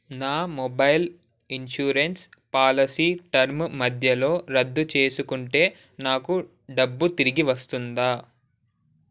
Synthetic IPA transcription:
naːmɔbɐjl | inʃuːɾenspaːlɐsiːʈɐɾmmɐd̪ʱjɐlo̞ːɾɐd̪ːut͡ʃe̞ːsukuɳʈe̞ː | naːku | ɖɐbːut̪iɾiɡiʋɐst̪und̪aː

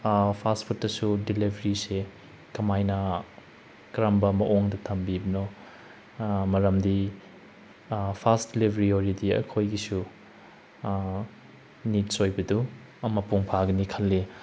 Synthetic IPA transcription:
pʰaspʰutːɐsudilibʱɐɾise | kɐmajnɐ | kɾambɐmɐʔoŋdɐtʰɐmbibɐnɔ | mɐɾɐmdi | pʰasdilibʱɐɾioɾidiɐ̰kʰojɡisu | nit̚sojbɐdu | ɐmɐpuŋpʰaɡɐnikʰɐlːi

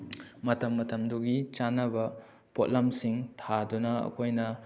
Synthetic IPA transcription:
mɐtɐmːɐtɐmduɡit͡ʃanɐbɐ | pot̚lɐmsiŋtʰadunɐɐ̰kʰojnɐ

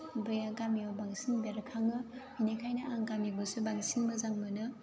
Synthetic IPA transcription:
bɯjaɡamiobaŋsiŋbeɾɐkʰaŋɯ | inikʰajnɐʔaŋɡamiɡusɯbaŋsiŋmɐzaŋmɯnɯ

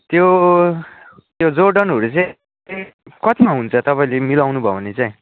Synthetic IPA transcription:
t̪jo | t̪jod͡zoɖʌnɦʌɾut͡sʌj̃ | t̪ekʌt̪imaɦunt͡sʰʌt̪ʌpaĩlemilawnubʱʌwnet͡saĩ

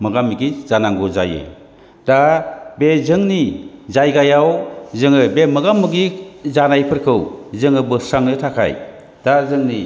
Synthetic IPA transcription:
mɯɡamːiɡiz̥anaŋɡoza̰jɯ̰ | d̥abezɯŋnizajɡajawzɯŋɯbemɯɡamːɯɡizanajpʰɯɾkʰɯwzɯŋɯbɯsaŋnɯtʰakʰa̰j | d̥azɯŋni

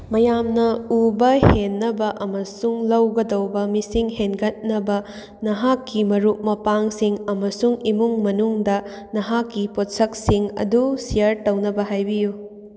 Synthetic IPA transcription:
mɐjamnɐubɐhenːɐbɐʔɐmɐsuŋlɐwɡɐdɐwbɐmisiŋhenɡɐt̚nɐbɐ | nɐɦakːimɐɾuk̚mɐpaŋsiŋɐmɐsuŋimuŋmɐnuŋdɐ | nɐɦakːipot̚sɐk̚siŋɐ̰dusijɐɾtɐwnɐbɐɦajbiju

